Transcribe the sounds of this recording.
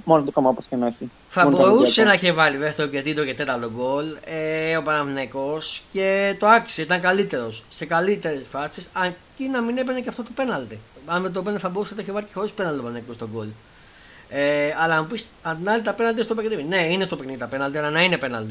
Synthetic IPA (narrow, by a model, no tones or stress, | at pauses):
monot̪okɐmɐpɐscenoçi | θɐboɾusenɐeçevɐɾiveft̪eocet̪id̪ocet̪e̞t̪ɐlt̪oɡo̞leopɐnɐvneko̞sce̞t̪o̞ɐki̥seit̪ɐŋkɐlit̪e̞ɾo̞sːe̞kɐlit̪e̞ɾesfɐsisɐcinɐminepeneceɐft̪ot̪o̞pe̞nɐlt̪iɐet̪ot̪oenɐliθɐbo̞ɾusnt̪ɐçevɐɾicexoispenɐlt̪iopɐnneikost̪o̞ɡol | eɐlɐmupisɐnd̪inɐlit̪ɐpe̞nɐlt̪ist̪o̞pekniðine̞inest̪o̞pekniðit̪ɐpe̞nɐlt̪iɐlɐnɐine̞pe̞nɐlt̪i